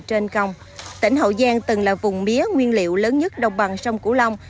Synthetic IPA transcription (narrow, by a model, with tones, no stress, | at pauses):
t͡ɕe˧nkə˧˩wŋ͡m | t̪ï˧˩ŋ̟ɦə̰˧˨zaː˧ŋt̪ɨ˨˩ŋlaː˨˩vʊ˨˩ŋ͡mmi˨˦əŋwi˧ənlḭ˧˨əwləː˨˦nɲə˦˥t̚ɗə˨˩wŋ͡mɓa˨˩ŋsa˧wŋ͡mku˧˩˦la˧wŋ͡m